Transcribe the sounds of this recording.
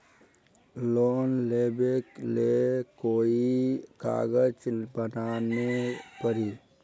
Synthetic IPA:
loːnleːbeklekoːika̰ːɡəd͡ʒbənaːnepəɾiː

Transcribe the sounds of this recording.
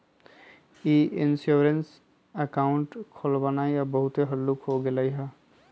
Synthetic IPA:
iinsjuɹens | akaʊɳʈkʰɔlbanajabɔɦut̪eɦəlːukɦoɡelajɦa

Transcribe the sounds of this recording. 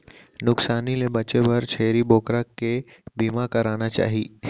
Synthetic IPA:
nʊksaːnilebɐt͡ʃebɐɾt͡ʃʰeːɾiboːkɾakːe | biːmakɐɾaːnat͡ʃa̰ːɦiː

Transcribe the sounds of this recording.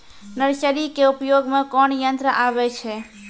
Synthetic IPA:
nəɾt͡ʃəɾikeupjoɡmekɔɳjənt̪ɾəʔabɛt͡ʃʰɛ

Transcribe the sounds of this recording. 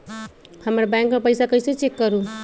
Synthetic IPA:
həməɾbãŋkːəɾpəɪjsakəjset͡ʃekːəɾu

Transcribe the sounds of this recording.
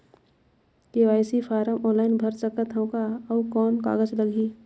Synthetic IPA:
keːʋaːjsipʰaːɾəmɔːnlaːɪnbʱəɾsəkət̪ʰɐõkaːʋkɔːnka̰ːɡəd͡ʒləɡʱiː

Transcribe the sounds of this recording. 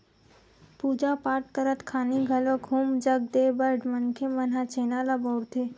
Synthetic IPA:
pud͡ʒapaːʈkəɾət̪kʰaːniɡʱəloɡɦuːmd͡ʒəɡ̚d̪ebəɖmənkʰemənɦat͡ʃeːnalabɔɽt̪e

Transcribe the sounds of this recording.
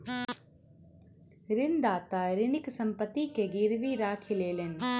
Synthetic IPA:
ɾɪnd̪aːt̪aɾɪnɪksɐ̃mpət̪ːikeɡɪɾʋiɾaːkʰileːlenɪ̆

